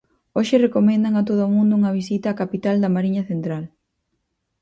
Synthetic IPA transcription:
oʃerekomɛ̃nd̪aŋat̪̬oð̞ʊmũnd̪ouŋɐβ̞isit̪ɐːkapit̪ald̪ɐmaɾiɲɐθent̪ɾal

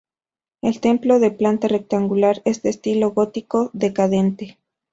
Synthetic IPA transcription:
e̞lt̪e̞mplo̞ðeplant̪arek̚t̪aŋɡulaɾe̞zd̪eːst̪ilo̞ɣo̞t̪iko̞ðe̞kaðe̞nt̪e

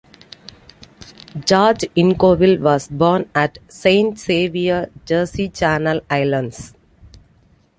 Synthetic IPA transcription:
d͡ʒɔːɾd͡ʒɪ̃ŋkoːʋɪlʋɔːsbɔːnæʈsẽːnʈseːʋiad͡ʒəːsit͡ʃæːnəlaɪlə̃ɳɖs

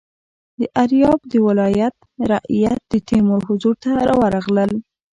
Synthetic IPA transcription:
d̪əʔaɾjɑbd̪əwɪlɑjat̪ | ɾaʔijat̪̚d̪̥ət̪imoɦʊzuɾt̪aɾɑwaɾaɣləl

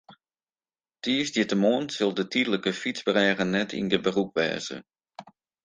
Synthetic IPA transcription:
tiəsdɪtəmoːnsɪlˠdətidələkəfizbərɛːɣənɛtʰḭnɡəbərup̚ʋɛ̰ːzə̰

